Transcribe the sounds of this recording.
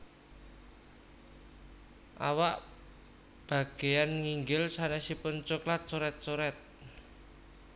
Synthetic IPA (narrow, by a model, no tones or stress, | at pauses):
ʔa̰waʔ | b̥ä̤ɡ̥e̤janŋiŋɡɪlsanɛsipʊnt͡ʃoklat̪̚soɾɛt̪̚soɾɛt̪̚